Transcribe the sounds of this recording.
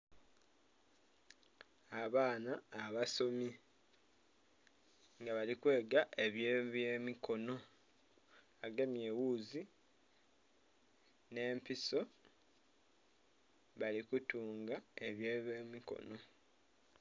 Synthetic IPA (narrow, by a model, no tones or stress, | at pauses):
aβaːnaːβaso̞mi | ŋɡaβalikwe̞ːɡaʔe̞βjeβjeːmikʰo̞no̞ | aɡemje̞wuːzi | ne̞ːmpiso̞ | βalikutuːŋɡae̞βjeːβemiko̞̰no̞